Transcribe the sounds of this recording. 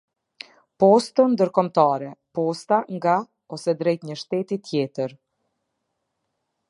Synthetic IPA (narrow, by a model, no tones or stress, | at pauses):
pɔst̪ənd̪əɾkɔmt̪aɾɛpɔst̪aŋɡa | ɔsɛd̪ɾɛjt̪ɲəʃt̪ɛt̪it̪ʰjɛt̪əɾ